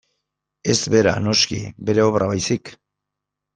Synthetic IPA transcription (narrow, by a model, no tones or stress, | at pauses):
e̞zbe̞ɾa̰no̞skḭbe̞ɾe̞o̞βrʔaβajsik